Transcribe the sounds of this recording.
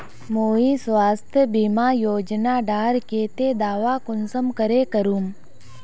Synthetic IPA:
moːĩsʋaːst̪ʰjəbimaːjoːd͡ʒnaːɖaːɾkeːt̪ed̪aːʋaːkʊnsəmkəɾeːkəɾuːm

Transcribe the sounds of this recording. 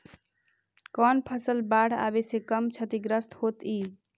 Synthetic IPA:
kɔnpʰəsəlbaɽ̤a̰besekəmt͡ʃʰət̪iɡɾəst̪hot̪i

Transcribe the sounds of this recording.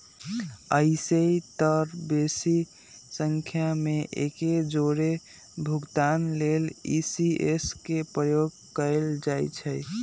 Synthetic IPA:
əiseit̪əɾbesi | səŋkʰjameʔḛked͡ʒoɾe | bʱuɡt̪anlelisieskepɾəjoɡ̚ | kəeld͡ʒajt͡ʃʰəj

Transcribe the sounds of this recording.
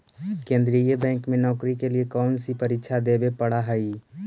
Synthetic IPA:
kẽːnd̪ɾijəbɛ̃ːŋkmẽnɔːkɾikeliekɔːnsipəɾɪkːʃʰad̪eːbepəɽaɦəi

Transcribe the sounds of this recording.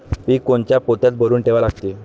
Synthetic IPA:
piːkoɳt͡ɕjapot̪jat̪bʱəɾuːnʈeʋalaɡt̪i

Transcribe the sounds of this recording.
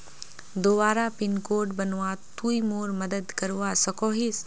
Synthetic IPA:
d̪obaːɾapɪnkoːʈbənʋat̪ujmoːɾmɐd̪əd̪kəɾʋasɐkoːɦis

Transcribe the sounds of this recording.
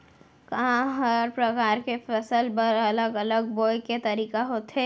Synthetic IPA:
kɐɦãɦɐɾpɾɐkaːɾkefɐsəlbɐɾɐləɡɐləɡ̚boːjket̪ɐɾiːkaɦoːt̪ɦɛː

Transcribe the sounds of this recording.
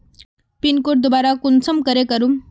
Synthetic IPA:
pinkoʈ̚d̪obaɾakunsəmkəɾekəɾum

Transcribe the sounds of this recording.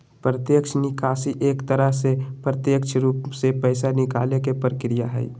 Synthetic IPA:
pɾət̪jəkʃnɪkʰaːsiʔeːkt̪əɾəɦsepɾət̪jəkʃʰɾuːpsepɛːsanɪkaːlekepəɾəkɾɪjaɦɛ̰ḭ

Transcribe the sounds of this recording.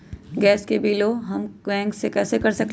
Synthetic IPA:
ɡɛːskebiːloɦɐmkɛ̃ːŋksekɛːsekɐɾsɐkl

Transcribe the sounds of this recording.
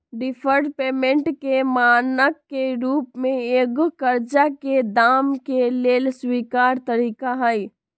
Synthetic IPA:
ɖipʰəɾʈpeːmẽɳʈkemaːnəkːeɾuːpmẽɡkəɾd͡ʒaked̪aːmkeleːlswikaɾt̪əɾiːkaɦəj

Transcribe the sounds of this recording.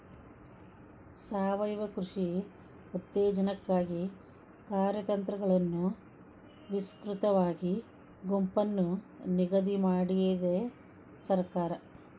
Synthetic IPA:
saːʋɐjʋɐkɾuʂi | ut̪ːeːd͡ʒɐnɐkːaːɡi | kaːɾjɐt̪ɐnt̪ɾɐɡɐɭɐnːu | ʋiskɾut̪ɐʋaːɡi | ɡompɐnːuniɡɐd̪imaːɽijed̪e | sɐɾkaːɾɐ

